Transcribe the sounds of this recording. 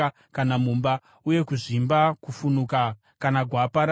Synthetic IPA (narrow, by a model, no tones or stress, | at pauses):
kanamumba | uje̞kuʐimbakufunuka | kanaɡʱwapaɾ